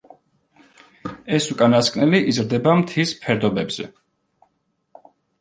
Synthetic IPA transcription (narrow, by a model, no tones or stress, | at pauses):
ɛsukʼanaskʼnɛliʔizɾd̪ɛbamt̪ʰispʰɛɾd̪ɔbɛbz̥ɛ̰